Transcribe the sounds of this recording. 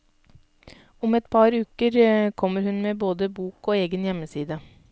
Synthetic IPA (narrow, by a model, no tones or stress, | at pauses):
ʊmɛt̪pʰɑɾʉːkəɾkʰɔməɾhʉnmeːboːd̪əbuːkoːeːɡənjɛməsiːd̪ə